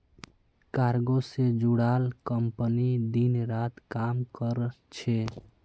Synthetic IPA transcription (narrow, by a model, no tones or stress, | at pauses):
kaɾɡosed͡ʒuɽalkəmpənid̪inɾat̪kamkəɾ | t͡ʃʰɛ